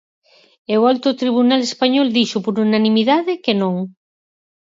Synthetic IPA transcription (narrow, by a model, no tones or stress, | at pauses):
eoalt̪ot̪ɾiβ̞unalespaɲɔld̪iʃʊpoɾunanimiðaðɪkenõŋ